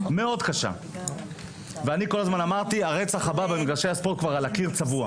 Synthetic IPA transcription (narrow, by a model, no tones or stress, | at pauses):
me̞o̞d̪kaʃa̰ | veaniko̞lazmanamaʁt̪iaʁe̞t͡saχababemiɡʁaʃe̞jaspo̞ʁt̪̚kvaʁalakiʁt͡savua